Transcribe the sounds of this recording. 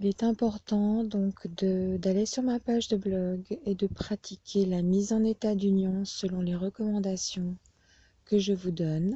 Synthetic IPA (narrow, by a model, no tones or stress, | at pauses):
ilɛt̪ɛ̃pɔʁt̪ɑ̃d̪ɔ̃kd̪əd̪alesyʁmapaʒd̪əblɔɡed̪əpχat̪ʰikʲʰelamizɑ̃net̪ad̪ynjɔ̃səlɔ̃leʁəkɔmɑ̃d̪asjɔ̃ | kəʒəvud̪ɔn